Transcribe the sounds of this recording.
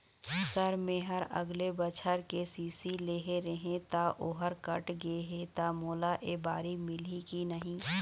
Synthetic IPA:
sɐɾmẽɦɐɾɐ̰ɡlebət͡ʃʰəɾkesiːsileːɦeɾɐɦẽt̪aʔoɦəɾkɐʈɡeɦet̪amoːlaʔebaːɾimɪlikinɐɦĩː

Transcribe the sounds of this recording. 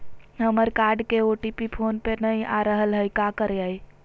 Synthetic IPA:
ɦəməɾkaɾɖkeoʈipipʰonpenəjaɾəɦəlɦəjkakəɾaj

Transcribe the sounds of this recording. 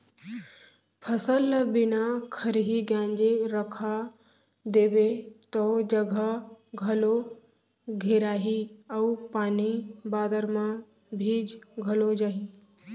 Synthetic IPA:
pʰɐsəlbɪnakʰɐɾɦiɡjãːɲd͡ʑeɾəkʰa | d̪eːbet̪od͡ʑəɡʱəɡʱɐlo | ɡʱeɾaːɦiɐupaːnibaːd̪əɾmã | bʱiːd͡ʑɡʱɐlod͡ʒaːɦiː

